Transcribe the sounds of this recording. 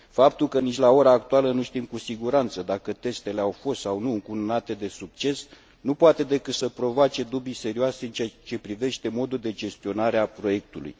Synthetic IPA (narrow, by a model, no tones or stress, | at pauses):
fap̚t̪ulkənit͡ʃʲlao̞ɾaːkt̪ualənuʃt̪imkusiɡuɾant̪səd̪akət̪e̞st̪e̞le̞awfo̞st̪sawnuɨŋkununat̪e̞d̪e̞suk̚t͡ʃe̞s | nupoat̪e̞d̪e̞kɨt̪səpɾo̞voat͡ʃe̞d̪ubise̞ɾioaseɨnt͡ʃeat͡ʃe̞pɾive̞ʃt̪e̞mo̞d̪uld̪e̞d͡ʒe̞st̪io̞naɾeapɾo̞je̞k̚t̪ulṵj